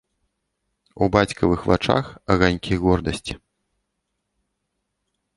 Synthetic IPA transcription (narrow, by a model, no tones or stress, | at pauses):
ubat͡sʲkɐvɨxvat͡ʂa̰xɐɣanʲkʲiɣɔrd̪ɐsʲt͡sʲi